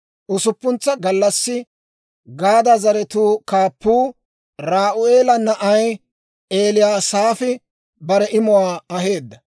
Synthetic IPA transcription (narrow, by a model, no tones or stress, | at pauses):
ʔʊsʊpːʊnt͡sːɐɡɐlːɐsːɪ | ɡaːd̪azɐɾɛt̪uːkaːpːuː | ɾaːʔʊeːlɐnːɐʔɐj | ʔe̞ːlɪjaːsaːfɪ | bɐɾɛʔɪmʊwaːɐɦe̞ːd̪ːɐ